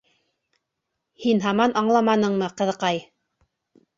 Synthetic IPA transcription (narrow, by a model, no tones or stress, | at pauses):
hinɦɑmɑnɑɴlˠɑmɑnɤɴmɤqɤ̆ðɤ̆qɑj